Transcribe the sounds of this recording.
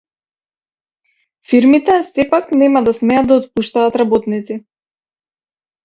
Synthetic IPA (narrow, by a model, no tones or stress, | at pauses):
fiɾmit̪ɛsɛpaknɛmad̪asmɛjat̪d̪aɔt̪̚puʃt̪aːt̪ɾabɔt̪nit̪si